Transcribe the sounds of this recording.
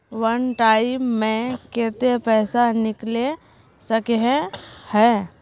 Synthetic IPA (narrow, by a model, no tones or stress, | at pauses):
ʋənʈaːɪmːẽkeːt̪epɛːsanɪkle | səkeɦẽhɛː